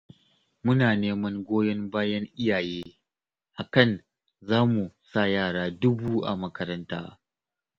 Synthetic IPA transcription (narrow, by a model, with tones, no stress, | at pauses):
mʊ˦naː˨neː˦mɐ˦ŋɡʷoː˦jɐ˦mbaː˦jɐ˦ŋʔɪ˦jaː˨jeː˦ | ha˨kɐ˨n | zaː˦mu˨sa˦˨jaː˦˨ɽaː˦dʊ˦buː˦ʔa̰˨mɐ˦kɐ˦ɾɐ˦nta̰ː˦